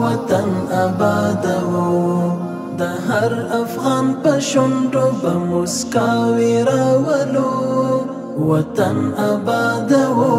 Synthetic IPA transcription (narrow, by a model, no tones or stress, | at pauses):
wat̪anabɑd̪awo | d̪əɦaɾafɣɑnpəʃʊɳɖopəmoskaweɾawəlo | wat̪anabɑd̪awo